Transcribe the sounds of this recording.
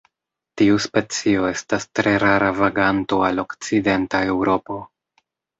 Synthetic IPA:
tiuspe̞t͡sio̞e̞stastɾe̞ɾaɾavaɡanto̞alo̞kt͡side̞ntae̞wɾo̞po̞

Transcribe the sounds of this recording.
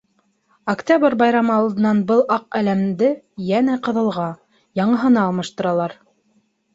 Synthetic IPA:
ɐktʲabɤɾbɑjɾɑmɤɑlˠd̪ɤ̆nɑnbɤlˠʔɑq̚ælæmd̪ɘ | jænæqɤ̆ðɤ̆lˠʁɑ | jɑɴɤ̆ɦɤ̆nɑɑlˠmɤ̆ʃt̪ɤ̆ɾɑlˠɑɾ

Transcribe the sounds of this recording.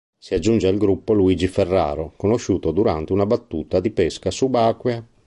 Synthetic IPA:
siad͡ʒːund͡ʒeilɡɾupːoluiːd͡ʒiferːa̰ːɾokonoʃuːt̪od̪uɾa̰nt̪eunabat̪ːuːt̪ad̪ipeskasubaːkwja

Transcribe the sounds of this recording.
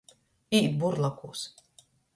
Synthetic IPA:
iːbuɾlˠakuːs

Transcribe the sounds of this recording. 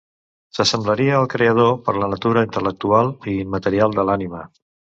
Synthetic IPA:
səsəmbləɾiəːlˠkɾeəð̞opəɾlənət̪uɾəint̪ələk̚t̪ualˠimət̪əɾialˠd̪əlanimə

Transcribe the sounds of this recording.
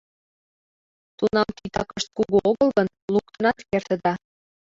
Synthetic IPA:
t̪unɑmt̪it̪ɑkəʃt̪̚kuɣuoɣɤlɣən | luk̚t̪ə̆nɑt̪kert̪ə̆d̪ɑ

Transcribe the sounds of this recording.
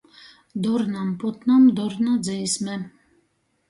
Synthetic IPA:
d̪ɔɾnɑmpɔt̪nɑmd̪ɔɾnad͡zɛismɛ

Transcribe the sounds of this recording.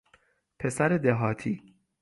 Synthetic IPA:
pʰesæɾed̪eɦɒːt̪ʰiː

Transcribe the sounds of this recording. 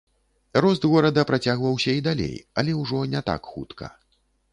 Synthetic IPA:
rɔzd̪ɣɔɾɐd̪ɐpɾat͡sʲaɣvɐwsʲɐid̪alʲḛjɐlʲɛwʐɔnʲɛt̪a̰kxṵt̪kʰɐ̰

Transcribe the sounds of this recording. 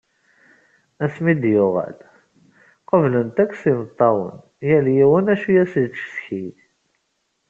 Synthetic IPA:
æsmid̪jʊʁæ̰l | qəvlənt̪ækʷːsimət̪ˤːɑwə̰n | jæljiwənæʃujæsd̥sçi

